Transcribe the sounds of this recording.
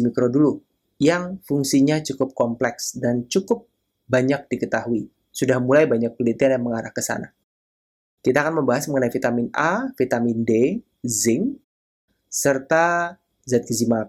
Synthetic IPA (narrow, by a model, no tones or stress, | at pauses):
mikɾodulu | jaŋfuŋsiɲat͡ʃukʊp̚kɔmplɛksdant͡ʃukʊp̚ | baɲak̚d̥ikət̪aɦui | sudahmulajbaɲak̚pəlint̪ianjaŋməŋaɾahkəsa̰na | kit̪aːkanməmbaɦasməŋənaifit̪amɪnafit̪aminde | zɪŋ | sərt̪a | zat̪̚kizima